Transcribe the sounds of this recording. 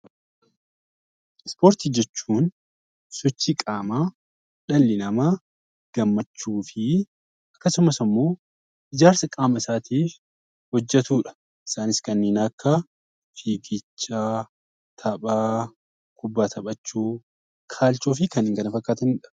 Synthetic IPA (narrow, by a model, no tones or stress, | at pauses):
ɪspoːɾt̪id͡ʒɛt͡ʃːuːn | sɔt͡ʃːikʼaːmaː | ᶑɐlːɪnɐmaː | ɡ̥ɐmːɐt͡ʃːuːfɪ | ʔɐkːɐsʊmɐsɐmːo̞ː | ɪd͡ʒaːɾsɐkʼaːmɐɪsaːt̪iːf | hɔd͡ʒːɛt̪uːᶑɐ̥ | ʔɪ̥saːnɪskɐnːeːnɐkːa | fiːɡɪt͡ʃːaː | t̪ʰɐɓʼaː | kʊbːaːt̪ʰɐɓʼɐt͡ʃːuː | kʰaːlt͡ʃoːf̬ɪkɐnɪŋɡɐnɐfɐkʼːaːt̪ɐnːᶑɐ̥